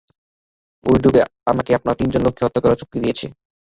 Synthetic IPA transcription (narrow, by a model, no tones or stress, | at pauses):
o̰jɖʱubea̰makeapnaɾt̪ind͡ʑonlokʰːeot̪ːokaɾaot͡ɕokɾid̪ijet͡ɕʰe